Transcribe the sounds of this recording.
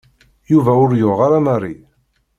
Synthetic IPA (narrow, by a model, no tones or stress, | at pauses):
juvæʊɾjoʁaɾamərˤːḭ